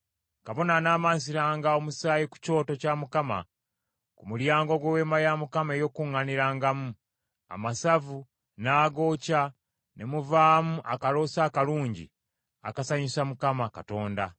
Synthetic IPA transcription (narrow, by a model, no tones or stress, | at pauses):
kaβo̞nanaːmaːns̬iɾaːŋɡao̞musaːjiku̥co̞ːto̞camukama̰ | kumuljaːŋɡo̞ɡwewe̞ːmajamukamae̞jo̞kuŋːaniɾaːŋɡamu | a̰masavu | naːɡo̞ːca | ne̞muvaːmuʔakalo̞ːsaːkaluːɲɟḭ | a̰kasaɲisamukamakato̞ːnda